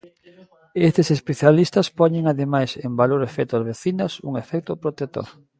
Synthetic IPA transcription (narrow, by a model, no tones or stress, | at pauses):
est̪esespeθjalist̪ɐspɔɲeŋaðemajsembaloɾefɛt̪ʊazβeθinɐsṵŋefɛk̚t̪opɾot̪et̪o̰ɾ